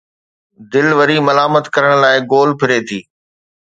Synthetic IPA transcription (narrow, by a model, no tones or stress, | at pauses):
d̪ɪlʋɐɾimɐlaːmət̪kɐɾəɽ̃laːɪɡoːlpʰɪɾeːt̪ʰiː